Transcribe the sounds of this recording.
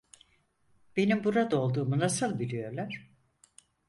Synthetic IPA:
b̥e̞nimbuɾad̪ao̞lˠd̪uːmunasɯlˠbilʲijo̞ɾlˠaɾ̥

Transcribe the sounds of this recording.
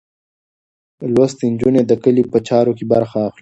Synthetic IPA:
lwast̪ind͡ʒuned̪əkəlipət͡ʃɑːɾokibɐɾxaːxli

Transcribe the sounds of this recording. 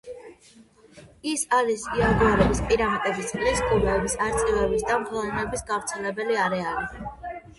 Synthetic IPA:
isaɾisiald̪uɔɾɛbispʼiɾamat̪ʼɛbilisɡʼumɛːbisaɾt̪sʼivɛbisd̪amχʰlˠnɛɛbisɡavɾt̪sʰɛlɛbɛliaɾɛali

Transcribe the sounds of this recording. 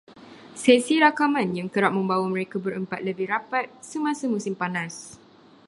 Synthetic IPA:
sɛsiɾakamãnjaŋkəɾap̚mə̃mbawamə̃ɾekabəɾəmpat̪̚ləbɪhɾapat̪̚səmãsamũsimpanãs

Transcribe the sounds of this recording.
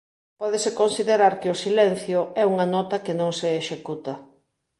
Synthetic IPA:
pɔðesekonsiðeɾaɾkeʊsilɛn̟θjʊɛuŋɐnɔt̪ɐkenõŋseːʃekut̪ɐ

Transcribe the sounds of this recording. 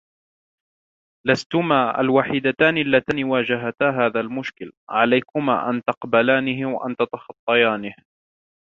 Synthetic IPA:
last̪ʊmaːʔa̰lwaːħiːd̪at̪aːnɪʔalːat̪aːnɪwaːd͡ʒaɦat̪aːɦaːðalmʊʃkɪlʕalajkʊma̰ːʔa̰nt̪ɑqbalaːnɪɦɪwaʔa̰nt̪at̪ɑxɑt̪ˤːɑjaːnɪh

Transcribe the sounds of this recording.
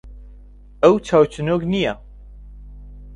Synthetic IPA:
əwt͡ʃʰaːwt͡ʃʰɨnoɡnija

